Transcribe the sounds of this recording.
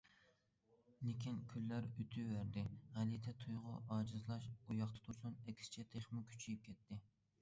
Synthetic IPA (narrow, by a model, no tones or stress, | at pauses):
nɪkʲʰinkʲʰylːæɾyt̪ʰywæɾd̪ɪʁɛlit̪ʰɛt̪ʰujʁʊʔɑːd͡ʒɨzlˠɑʃujɑχt̪ʰɑ̥t̪ʰuɾsunɛkʲʰsɪ̥t͡ʃʰɛt̪ʰeχmɪkʲʰy̥t͡ʃʰijip̚kʲʰɛt̪ʰːɪ